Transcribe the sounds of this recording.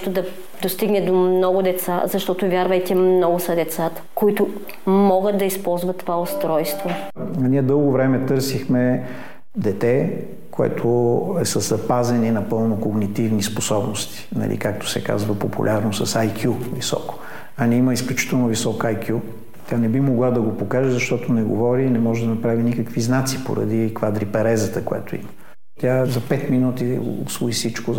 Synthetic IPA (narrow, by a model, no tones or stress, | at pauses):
t̪ʊd̪ɐ | d̪ost̪iɡnɛd̪ommnɔɡʊd̪ɛt̪sa̰zɐʃt̪ɔt̪ʊvʲjaɾvəjt̪ʲɛmnɔɡʊsɐd̪ɛt̪sat̪ə̥koit̪ʊ | mɔɡət̪̚d̪ɐispɔlˠzvɐt̪ːovaost̪ɾɔjst̪vo | niɛd̪ɤlˠɡovɾɛmɛt̪ɤɾsixmɛ | d̪ɛt̪ɛ | koɛ̰t̪ʰoɛsəzɐpazɛninɐpɤlˠnokoɡnit̪ivnisposɔbnost̪i̥nɐ̰lʔḭkak̚t̪o̥sɛ̰ka̰zvəpopṵlʲʔaɾnosɐsajkjuvisɔ̰ko̥ | ɐnɛiməisklʲut͡ʃi̥t̪əlˠnovisɔkajkʲju | t̪ʲanɛbimoɡlˠad̪ɐɡopokaʒɛzɐʃt̪ɔt̪onɛɡovɔɾiːnɛmɔʒɛd̪ɐnɐpɾavinikəkviznat̪si̥po̰ɾɐ̰d̪ikvad̪ɾipɛɾɛzət̪əkojɛ̰t̪oḭmə | t̪ʲazɐpɛt̪minut̪ḭsvoisit͡ʃko